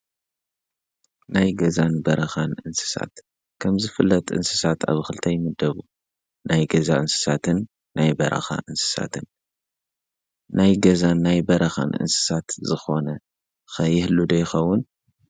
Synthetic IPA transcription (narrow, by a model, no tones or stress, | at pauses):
najɡɐzanbɐɾɐxanʔɨnsɨ̥sa̰t̪ | kʰɐmzɨfɨlːɐt̪ʔɨ̰nsɨ̥sat̪ʰa̰βxɨlt̪ʰɐjmɨd̪ɐβu | najɡɐzaʔɨnsɨ̥sat̪ʰɨnː | ajbɐɾɐ̰xa̰ʔɨnsɨ̥sa̰t̪ʰɨn | najɡɐzanːajbɐɾɐxa̰nʔɨ̰nsɨ̥sat̪zɨxo̞nɐ | xɐjɪhlːud̪ojɪxɐwːʊn